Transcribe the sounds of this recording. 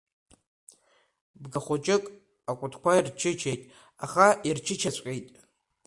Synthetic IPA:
bɡaχʷot͡ʃʼɪkʼ | akʷʼʊtʰkʷʰairt͡ʃʰɪt͡ʃʰejtʼ | aχairt͡ʃʰɪt͡ʃʰat͡ɕʷʼkʲʼijtʼ

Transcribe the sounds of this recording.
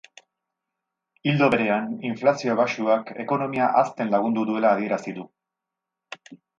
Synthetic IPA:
ild̪o̞βe̞ɾe̞aniɱflasio̞βasuake̞̰ko̞no̞miaʔast̪e̞nlaɣ̞und̪uðue̞laːðie̞ɾasiðu

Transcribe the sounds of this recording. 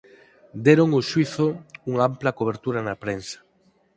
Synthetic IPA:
d̪eɾoŋoʃwiθouŋamplɐkoβ̞eɾt̪uɾanapɾensḁ

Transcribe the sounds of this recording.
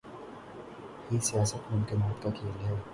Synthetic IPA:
hiːsijaːsət̪mʊ̃mkɪmaːt̪kakʰeːlɦɛː

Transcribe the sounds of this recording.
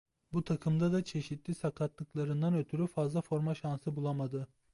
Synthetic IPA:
but̪ʰakʰɯmd̪ad̪at͡ʃʰe̞ʃit̪lʲisakʰat̪lˠɯklˠaɾɯnd̪anø̞t̪ʰyɾyfazlˠafo̞ɾmaʃansɯbulˠamad̪ɯ

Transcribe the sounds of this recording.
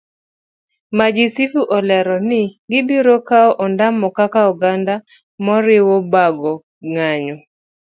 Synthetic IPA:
mad͡ʒisifuʔɔlɛɾɔnɪɡɪbiɾɔkaɔʔɔndamːɔkakauɡanda | mɔɾɪwɔbaɡɔ | ŋaɲɔ

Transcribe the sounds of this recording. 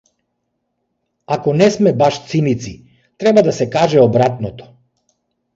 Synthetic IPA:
akɔnɛsmɛbaʃt̪sinit̪si | t̪ɾɛbad̪asɛkaʒɛɔbɾat̪nɔt̪ɔ̥

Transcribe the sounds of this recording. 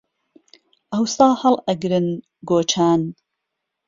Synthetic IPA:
ʔɐwsɑːhɐlˠʔɐɡɾɨn | ɡoːt͡ʃʰaːn

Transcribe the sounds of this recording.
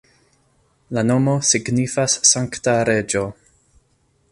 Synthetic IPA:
lano̞mo̞siɡnifasːaŋktaɾe̞d͡ʒo

